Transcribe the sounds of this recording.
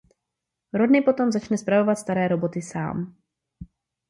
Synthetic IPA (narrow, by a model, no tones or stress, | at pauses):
ɾodnɪpo̞t̪o̞mzat͡ʃnɛspɾavo̞vat̪st̪aɾɛːɾo̞bo̞t̪ɪsa̰ːm